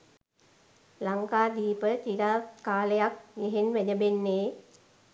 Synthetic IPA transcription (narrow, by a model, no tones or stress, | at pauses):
laŋkaːd̪iːpət͡ʃiɾaːt̪kaːləjak̚ɡeɦenʋæɲəbenːeː